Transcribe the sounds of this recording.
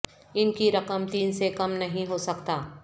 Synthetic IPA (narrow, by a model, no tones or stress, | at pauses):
ɪnkiɾɐqəmt̪iːnsekɐmnɐɦĩɦosɐkt̪aː